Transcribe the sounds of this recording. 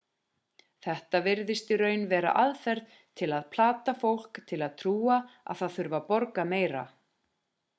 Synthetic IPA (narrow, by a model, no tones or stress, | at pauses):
θɛht̪avɪɾðɪst̪ɪɾœːɥnvɛːɾa̰ʔaðfɛɾð | t̪ʰɪlaðpʰlaːt̪afowl̥kt̪ʰɪlaðt̪ʰɾuːaa̰ðθaðθʏɾvapɔɾkameːjɾa̰